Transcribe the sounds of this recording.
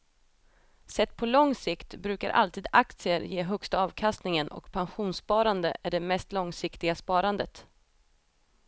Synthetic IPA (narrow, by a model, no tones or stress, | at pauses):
sɛt̪̚ːpʰɔlɔŋsɪkt̪bɾʉ̟ːka̰ɾʔa̰lt̪iːd̪ak̚t̪sɪəɾjeːɦœkst̪aɑːvkʰast̪nɪŋənʔɔ̰kpʰanɧuːnspɑːɾand̪ə̰ʔæɖɛmɛst̪lɔŋsɪkt̪ɪɡaspɑːɾand̪ət̪